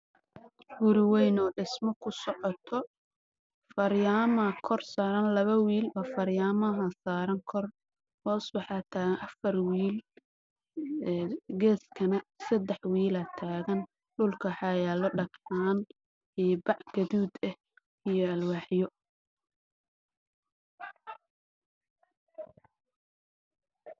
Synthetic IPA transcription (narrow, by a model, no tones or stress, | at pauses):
wʊɾɪwɛjnɔːɖɪsmɔkʰʊsɔʕɔt̪ʰɔ | fɐɾjaːmɐkʰɔrsaːɾɐnlɐβɐwiːlbɐfɐɾjaːmɐɦɐsaːɾɐŋkʰɔr | hɔːswɑħɑt̪ʰaːɣɐnʔɐfɐrwiːl | ɡɛːskʰɐnɐsɐd̪ɛħwiːlɐt̪ʰaːɣɐn | ɖʊlkʰɐħɑjɛːlɔɖɐkaːn | iːbɑʕɡ̥ɐðuːd̪ɛh | ijɔɐlwɑːħjɔ